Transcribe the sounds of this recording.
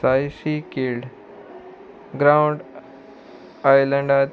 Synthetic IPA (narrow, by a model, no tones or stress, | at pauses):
ajsikilɖ | ɡɾawɳɖ | ajlə̃ɳɖat